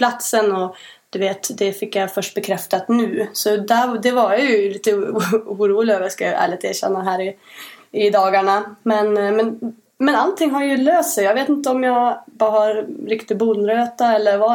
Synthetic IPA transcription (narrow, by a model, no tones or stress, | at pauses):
pʰlat̪sənɔ | d̪̥ʉveːt̪d̪ɛfɪkːjafœʂʈ̚bɛkʰɾɛft̪at̪nʉ̟ːsɔd̪æɾd̪ɛvaɾjajʉliːt̪əuːɾuːlɪɡaʋjaskajæ̰ːɭɪt̪eːɕɛ̰nːaɦæːɾɪɪd̪ɑːɡaɳamɛnmɛn | mɛnalt̪ʰːɪŋːɦaɾjʉløːst̪sɛjɑːɡveːt̪ɪnt̪əɔmjɑbɑːhaɾɾɪkt̪ɪɡ̚buːnɾøːt̪aɛlːəɾva